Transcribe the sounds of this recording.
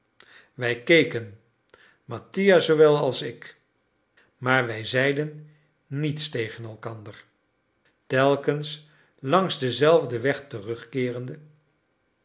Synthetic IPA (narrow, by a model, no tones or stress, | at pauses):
ʋɛjkejkən | mɑtijazowʋɛlˠɑlˠsɪk | maːɹʋɛjzɛjdənː | itstejχənɛlˠkɑndəɹ | tɛlˠkəns | lɑŋzdəzɛlˠvdəʋɛχtərɵχkɪːrəndə